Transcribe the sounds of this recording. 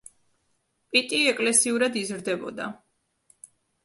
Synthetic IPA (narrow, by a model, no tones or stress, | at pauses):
pʼit̪ʼiɛkʼlɛsiuɾad̪izɾd̪ɛbɔ̰d̪a̰